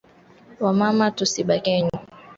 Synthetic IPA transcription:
wamamatusiɓakɛɲu

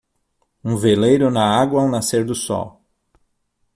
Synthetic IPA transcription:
ũvelejɾʊnɐaɡwɐːw̃naseɾd̪ʊsɔ̰w

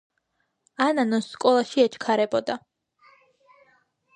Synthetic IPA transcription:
ananɔsːkʼɔlˠaʃiɛt͡ʃʰkʰaɾɛbɔd̪a

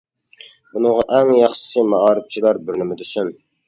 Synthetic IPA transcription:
bunɨŋʁɑʔɛŋjɑχʃɨ̥sɨmɑʔɑːɾɪp̚t͡ʃʰilˠɑɾbɪɾnɪmɪd̪ysyn

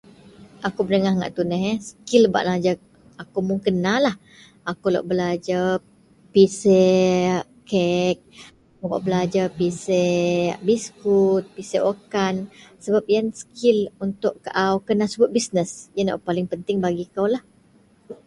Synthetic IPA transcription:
ʔakubənəŋahŋa̰ʔt̪unəɦɛsə̥kilba̰ʔnãd͡ʒa | akumuŋkənalah | akulo̰ʔbəlad͡ʒa | pisɛ | kɛk̚ | oka̰ʔbəlad͡ʒapisebiskut̪̚piseʔokansəbap̚ijansə̥kɪlunt̪ʊʔkaʔawkənasəbʊt̪̚bisnəsjana̰ʔpalɪŋpənt̪ɪŋbaɡikawlah

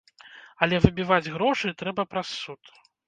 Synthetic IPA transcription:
ɐlʲɛvɨbʲivad͡zʲɣɾɔʂɨt̪ɾɛbɐpɾasːut̪

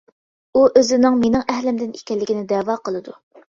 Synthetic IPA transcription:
uʔøzɪnɪŋmenɪŋɛhlɪmd̪ɪnikʲɛlːɪkʲinɪd̪ɛwɑqəlˠɨd̪u

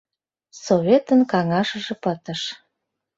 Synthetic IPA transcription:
soβʲet̪ənkɑŋɑʃə̆ʒĕpət̪ə̆ʃ

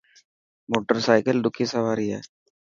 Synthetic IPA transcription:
moːʈːɐɾsɐɪkɐlɖʊkːisɐʋaːɾijḛ

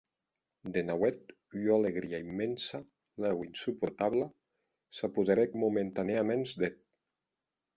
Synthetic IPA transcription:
d̪enawɛt̪̚ | joaleɣɾiaimːensa | lɛwinsupuɾt̪aβla | sapuðeɾɛk̚mument̪aneamenzd̪et̪̚

